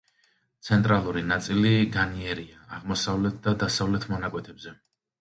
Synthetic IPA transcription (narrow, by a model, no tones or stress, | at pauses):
t̪sʰɛnt̪ʼɾalˠuɾinat̪sʼiliɡaniɛɾiaːʁmɔsavlɛt̪̚ʰd̪ad̪asavlɛt̪ʰmɔnakʼwɛt̪ʰɛbzɛ